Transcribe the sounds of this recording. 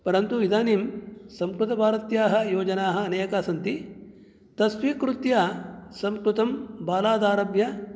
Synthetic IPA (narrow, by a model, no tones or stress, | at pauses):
pɐɾɐnt̪uid̪aːnimsɐmkɾut̪ɐbʱaːɾɐt̪jaːɦɐ̆joːd͡ʒɐnaːɦɐ̆ːneːkaːsɐnt̪i | t̪ɐsʋiːkɾut̪jaːsɐmkɾut̪ɐmbaːlaːd̪aːɾɐbjɐ